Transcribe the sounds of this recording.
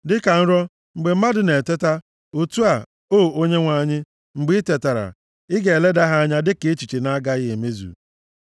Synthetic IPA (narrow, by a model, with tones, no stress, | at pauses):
dɪ˦ka˨n̩˦ɾɔ˦ | ŋ͡m̩˨ɡ͡be˨m̩˦ma˦dɪ˨ne˨te˦ta˦ | o˨tu˦a˨ | oː˦˨o˦ɲe˦ŋʷa˦˨ɲɪ˦ | ŋ͡m̩˨ɡ͡bi˦te˨ta˨ɾa̰˨ | ɪ˦ɡe˨le˦da˦ɦa˦a˦ɲa˦dɪ˦ke˨˦t͡ʃi˨t͡ʃi˨na˦ɡa˦ɣɪ˦e˨me˦zṵ˨